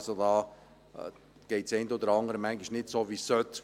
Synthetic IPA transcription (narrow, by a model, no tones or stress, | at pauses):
sodɑː | ɡ̥ɛɪtsɛɪnd̪od̪əɾɑŋəɾəmæŋɡiʃnɪtsoʋisːœt̪